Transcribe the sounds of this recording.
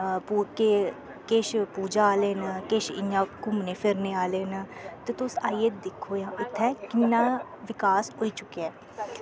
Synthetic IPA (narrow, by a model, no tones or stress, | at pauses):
puke | keːʃpuːd͡ʒaaːleːnkeːʃɪ̰ɲãːkʊmneːpʰɪɾnẽːaːleːnt̪eːt̪ʊsaːiːeːt̪d̪ɪkʰːoːjãːʔɪt̪ʰːɛːkɪnːaː | ʋɪkaːsɦoːiːt͡ʃʊkːeɛː